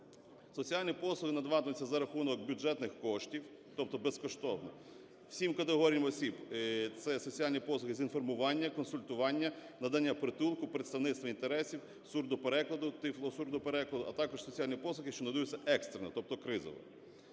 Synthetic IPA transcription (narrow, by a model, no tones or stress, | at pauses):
sɔt͡sʲiɑlʲnʲipɔslˠʊhɪnɐd̪ʋɑt̪ɪmʊt͡sʲːɐzɐɾɐxunɔkbʲʊd͡ʒɛt̪nɪxkɔʃtʲiw | t̪ɔp̚t̪ɔbeskɔʃt̪ɔwnɔ̰ | w̥sʲimkɐt̪eɦɔɾʲijɐmɔsʲibt̪sɛsɔt͡sʲijɑlʲnʲipɔslˠʊxɪzʲinfɔrmʊʋɑnʲːɐkɔnsʊlʲt̪ʊʋɑnʲːɐnɐd̪ɑnʲːɐpɾɪt̪ulˠkʊpɾet̪st̪ɐʋnɪst̪ʋɔint̪eɾɛsʲiw | surd̪ʊpeɾɛklˠɐd̪ʊt̪ɪflˠɔsurd̪ʊpeɾɛklˠɐd̪ʊʔɐt̪ɑkɔʃsɔt͡sʲiɑlʲnʲipɔsˠʊxɪʃt͡ʃɔnɐd̪ujut͡sʲːɐʔɛkst̪ɾenɐt̪ɔp̚t̪ɔkɾɪzɔ̰ʋɔ̰